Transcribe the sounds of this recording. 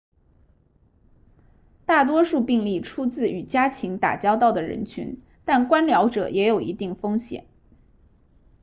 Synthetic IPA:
t̪a˥˩t̪̬wɔ˥ʂu˥˧pi˥˧ŋli˥˩ʈ͡ʂʰu˥t͡sɹ̩˥˩y˨˩t͡ɕja˥t͡ɕʰi˧˥ŋt̪a̰˨˩t͡ɕjɑ˥ʊt̪ɑ˥˩ʊd̪ə˩ɻə̰˧˥nt͡ɕʰy̰˧˥n | t̪a˥˩nkwa˥nljɑ˧˥ʊʈ͡ʂɤ̰˨˩jʔɛ˧˥jo˨˩ʊʔḭ˧˥t̪i˥˩ŋfɤ˥ŋɕjɛ̰˨˩˦n

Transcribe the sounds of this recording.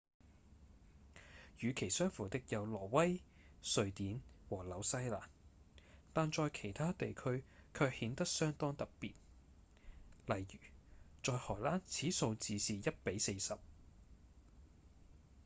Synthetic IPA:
jyː˨˧kʰe˨˩jsœː˥ŋfuː˨˩t̪ɪ˨k̚jɐ˨˧wlɔː˨˩wɐ˥j | sɵ˧ɥt̪iː˨˥nwɔː˨˩lɐ˨˧wsɐ˥jla̰ː˨˩n | t̪aː˨nt͡ʃɔː˨˧jkʰe˨˩jt̪ʰaː˥t̪e˨jkʰɵ˥ɥkʰœː˧k̚hiː˨˥nt̪ɐ˥k̚sœː˥ŋt̪ɔː˥ŋt̪ɐ˨k̚piː˨t̚ | lɐ˨˩jɥyː˨˩t͡sɔː˨jhɔː˨˩laː˥nt͡sʰiː˨˥so˧wt͡siː˨˧siː˨jɐ˥t̚pe˨˥jse˧jsɐ˨p̚

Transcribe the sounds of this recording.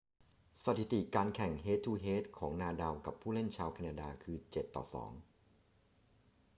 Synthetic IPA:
sa˧t̪ʰi˨˩t̪i˨˩kaː˧nkʰɛ˨˩ŋɦeː˦˥t̪ʰːuː˧ɦeː˦˥t̪̚kʰɔː˩˦ŋnaː˧da˧wka˨˩pʰːuː˥˩le˥˩nt͡ɕʰaː˧wkʰa˧naː˧daː˧kʰɯː˧t͡ɕe˨˩t̪ːɔ̰ː˨˩sɔ̰ː˩˦ŋ

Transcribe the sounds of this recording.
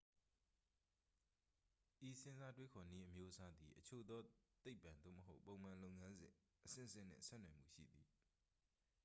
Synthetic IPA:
ʔi˨sɪ̃˦za˦twe˦kʰɔ˨ni˦ʔəmjo˦ʔəsa˦d̪i˨ʔət͡ɕʰo̰˦˨d̪ɔ˦t̪e˦ɪpːã˨nd̪o̰˦˨məɦo˦ʊpːõ˨ʊ̃m̥ã˨lo˦ʊŋã˦nzɪ̰̃˨ | ʔəsɪ̰̃˦˨əsɪ̰̃˦˨n̥ɪ̰̃˦˨sɛ̰˦˨nã˨m̥ṵ˦˨ʃḭ˦˨d̪i˨

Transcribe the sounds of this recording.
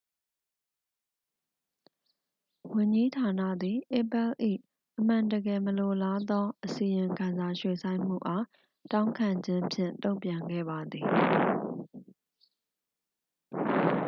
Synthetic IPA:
wʊ̃˨ɲd͡ʑi˦tʰa˨nä̰˦˨d̪i˨ʔe˦˨pɛ˦˨lʔḭ˦˨ | ʔəm̥ã˨ntəɡɛ˨məlo˨la˦d̪ɔ˦ʔəsi˨jɪ̃˨ŋkʰã˨nza˨ʃwe˨sʰã˦ɪ̃m̥ṵ˦˨ʔa˦ | tã˦ʊ̃ŋkʰã˨ɲd͡ʑɪ̃˦mpʰjɪ̰̃˦˨ntõ˦ʊ̃mpjã˨ŋɡɛ̰˦˨ba˨d̪ði˨

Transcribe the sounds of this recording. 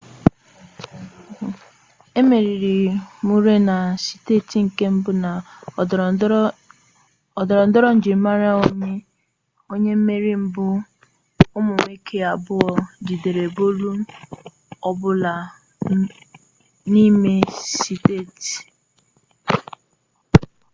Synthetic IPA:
e˦me˨ɾi˨ɾi˨mu˦ɾe˦na˨si̥˨te˦ti˨ŋ̩˨ke˦m̩˦bʊ˦na˨ | ɔ˨dɔ˨ɾɔ˨n̩˦dɔ˦ɾɔ˦n̩˨d͡ʒi˨ɾ̩˦ma˦ɾa˦o˦ɲe˦ | o˦ɲe˦m̩˦me˦ɾi˦m̩˦bʊ˦ | ʊ˦mʊ˨me˦kʰe˦a˨bʊ˦ɔ˨d͡ʒi˨de˨ɾe˨bo˦lu˦ | ɔ˦bʊ˦la˨ | ni˦me˦si˦te˦˨ti̥˨

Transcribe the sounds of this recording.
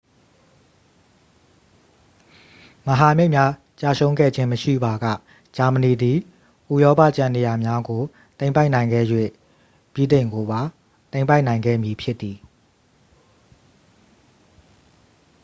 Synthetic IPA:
məɦa˨me˦ɪʔmja˦ | t͡ɕa̰˦˨sʰõ˦ʊ̃ŋɡɛ̰˦˨d͡ʑɪ̃˦məʃḭ˦˨ba˨ɡä̰˦˨ | d͡ʑa˨mə˨ni˨d̪i˨ | ʔu˨jɔ˦pa̰˦˨t͡ɕã˨ne˨ja˨mja˦ɡo˨ | t̪ẽ˦ɪ̃mpa˦ɪʔnã˨ɪ̃ŋɡɛ̰˦˨jwḛ˦˨ | b̥jḭ˦˨d̪ẽ˨ɪ̃ŋɡo˨ba˨ | t̪ẽ˦ɪ̃mpa˦ɪʔnã˨ɪ̃ŋɡɛ̰˦˨mji˨pʰjɪ˦t̪ːi˨

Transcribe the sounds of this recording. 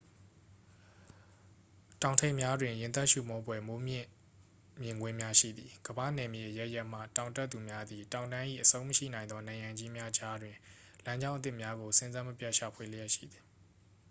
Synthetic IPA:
tã˨ʊ̃ntʰẽ˦˨ɪ̃mja˦dwɪ̃˨jɪ̃˨nt̪ɛ˦ʔʃṵ˦˨mɔ˦bwɛ˦mo˨˦mjɪ̰̃˦˨ | mjɪ̃˨ŋɡwɪ̃˦mja˦ʃḭ˦˨d̪ði˨ɡ̥əbä̰˦˨nɛ˨mjḛ˦˨ʔəjɛ˦ʔjɛ˦ʔm̥ä̰˦˨tã˨ʊ̃tɛ˦t̪ːu˨mja˦d̪ði˨tã˨ʊ̃ndã˦ɪ̃ʔḭ˦˨ʔəsõ˦ʊ̃mə˦ʃḭ˦˨nã˨ɪ̃nd̪ɔ˦nã˨ɪ̃ã˨ɲd͡ʑi˦mja˦d͡ʑa˦dwɪ̃˨ | lã˦ɲd͡ʑã˦ʊ̃ʔə˦t̪̬ɪ˦˨mja˦ɡo˨sɪ̃˦nzã˦mə˦pja˦˨ʔʃa˨pʰwe˨lə˦jɛ˦ʔʃḭ˦˨d̪ði˨

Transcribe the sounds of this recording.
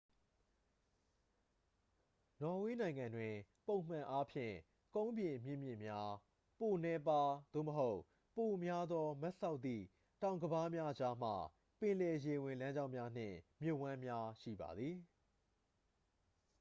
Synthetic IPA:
nɔ˨we˦nã˨ɪ̃ŋã˨ndwɪ̃˨põ˦ʊ̃m̥ã˨ʔa˦pʰjɪ̰̃˦˨ | kõ˦ʊ̃mbjɪ̃˨mjɪ̰̃˦˨mjɪ̰̃˦˨mja˦ | po˨nɛ˦pa˦d̪̥o̰˦˨məɦo˦ʊʔ | po˨mja˦d̪ɔ˦mɛ˦ʔsa˦ʊt̪̚t̪ːḭ˦˨ | tã˨ʊ̃ŋɡəba˦mja˦d͡ʑa˦m̥a̰˨ | pɪ̃˨lɛ˨je˨wɪ̃˨lã˦ɲd͡ʑã˦ʊ̃mja˦n̥ɪ̰̃˦˨mjʊ˦˨ʔwã˦mja˦ʃḭ˦˨ba̰˨d̪ði˨

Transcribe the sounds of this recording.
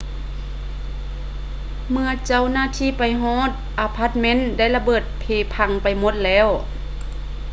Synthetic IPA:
mɯ˧ɐt͡ɕa˧˩˨wnaː˧˥˨t̪ʰiː˧˥˨pa˨jɦɔː˧˥˨t̪̚ʔaː˨˧pʰa˧˥t̪̚me˧˥˨nda˥˨jla˧bɤː˧˩t̪̚pʰeː˧˩pʰa˧˩ŋpa˨jmo˧˥t̪̚lɛː˦˧˥w

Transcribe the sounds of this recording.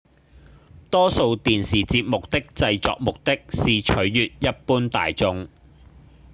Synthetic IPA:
t̪ɔː˥so˧wt̪iː˨nsiː˨˩t͡siː˧p̚mʊ˨k̚t̪ɪ˥k̚t͡sɐ˧jt͡sɔ̰ː˨k̚mʊ˨k̚t̪ɪ˥k̚siː˨t͡ʃʰɵ˨˥ɥjyː˨t̚jɐ˥t̚puː˥nt̪a̰ː˨jt͡sʊ˧ŋ

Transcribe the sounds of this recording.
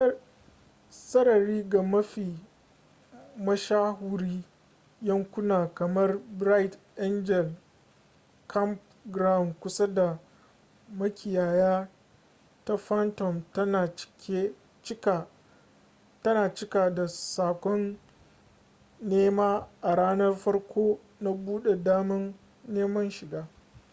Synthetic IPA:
sɐ˦ɽɐ˨ɾiː˦ɡa˨mɐ˦ɸiː˨ | mɐ˦ʃaː˦ɦu˦ɾiː˦ | jɐ˦ŋkʷʊ˦naː˨kɐ˨mɐ˦rbɾa˦jtʔɛ˦nd͡ʒɛ˨l | kʰɐ˦mp | ɡɾa˦˨wnkʷʊ˦sa˦da˨ | mɐ˦kʲʰɪ˨jaː˨jaː˦ | ta˦ɸa˦ntɔ˨mtɐ˦na˨t͡ʃkʲe˦ | t͡ʃka˨ | tɐ˦naː˨t͡ʃɪ˦ka˨da˨saː˨kʷɔ˦n | eː˦maː˦ʔa˨ɽaː˦nɐ˦rɸɐ˦rkʷʰoː˦ | na˦buː˦ɗe˨daː˦mɐ˦nː | eː˦mɐ˦nʃɪ˨ɡaː˦

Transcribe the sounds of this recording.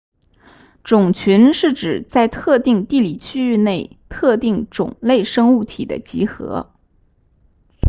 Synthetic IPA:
ʈ͡ʂʊ˨˩ŋt͡ɕʰy˧˥nʂɻ̩˥˩ʈ͡ʂɻ̩˨˩t͡sa˥˧ɪt̪ʰɤ˥˧t̪i˥˧ŋt̪i˥˩li˨˩t͡ɕʰy˥y˥˧ne˥˩ɪt̪ʰɤ˥˧t̪i˥˩ŋʈ͡ʂʊ̰˨˩ŋle˥˩ɪʂɤ˥ŋu˥˩t̪ʰḭ˨˩d̪ə̰˦t͡ɕḭ˧˥xɤ̰˧˥

